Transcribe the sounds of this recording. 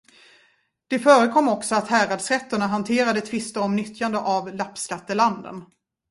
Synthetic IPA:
d̪̥ɛfœːɾəkʰɔmːɔksɔat̪hæːɾad̪sɾɛt̪ːəɳaɦant̪ʰeːɾad̪ət̪ʰvɪst̪əɾɔmnʏt̪ʰjand̪əʔavlapːskat̪ːəland̪ə̰n

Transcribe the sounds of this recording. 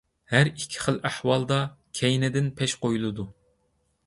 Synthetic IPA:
hæɾikʲʰːi̥χəlˠæhwɑlˠd̪ɑkʲʰɛjnɪd̪ɪnpʰɛʃqojulˠɨd̪u

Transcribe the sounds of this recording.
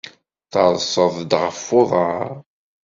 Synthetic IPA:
θəɾˤsˤəðˤd̪ʁəfːoðˤəɾɾ

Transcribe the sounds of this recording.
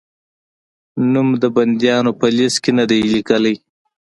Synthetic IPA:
numd̪əband̪jɑnopəliskenad̪ajlikəlaj

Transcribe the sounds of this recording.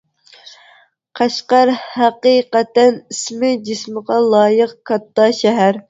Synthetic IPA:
qʰæʃqɑɾhæqiqæt̪ɛnismɪd͡ʒisməʁɑlˠɑːjəqkʰɑt̪ːɑʃɛɦæɾ

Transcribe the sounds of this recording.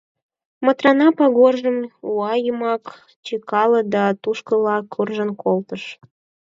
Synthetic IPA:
mət̪rɑnɑpɑɣorʒəmuɑjəmɑk | t͡ɕikɑləd̪ɑt̪uʃkəlɑkʰurʒənkʰolt̪əʃ

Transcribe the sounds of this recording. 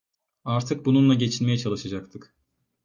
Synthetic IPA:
aɾt̪ʰɯk̚bununlˠaɟe̞t͡ʃʰinmejɛt͡ʃʰalˠɯʃad͡ʒak̚t̪ʰɯk

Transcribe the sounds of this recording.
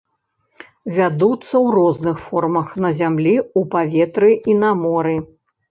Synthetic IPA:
vʲad̪ut̪sːɐwrɔznɨxfɔrmɐxnɐzʲamlʲiupavʲɛt̪ɾɨinamɔɾɨ

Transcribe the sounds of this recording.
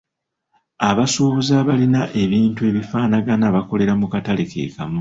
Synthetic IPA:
aβasuːβuzaβalinaʔe̞βiːntue̞ːβifaːnaɡanaːβako̞le̞ɾamukatalekʰe̞̰ːkamu

